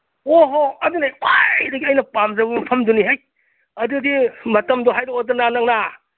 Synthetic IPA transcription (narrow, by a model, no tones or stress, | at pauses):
oɦoɐdunawadɐɡiɐjnɐpamzɐbɐmpʰɐmduniɦaj | ɐdudimɐtɐmdɔɦajdoːtɐnanaŋna